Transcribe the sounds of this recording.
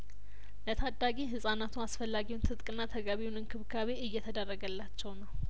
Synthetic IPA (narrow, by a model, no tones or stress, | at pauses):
lət̪ʰad̪ːaɡiɦɨsʼanat̪ʰuasfəlːaɡiwunt̪ʰɨt̪ʼkʼɨnːat̪ʰəɡaβiwunɨŋkʰɨβkʰaβeɨjːɛt̪ʰəd̪ərːəɡəlːat͡ʃːɛwnəw